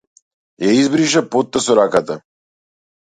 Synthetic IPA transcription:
jaizbɾiʃapot̪ːasɔɾakat̪a

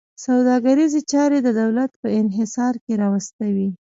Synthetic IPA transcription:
sawd̪ɑɡaɾizet͡ʃɑɾed̪əd̪awlat̪̚pəɪnɦɪsɑɾkeɾɑwast̪awi

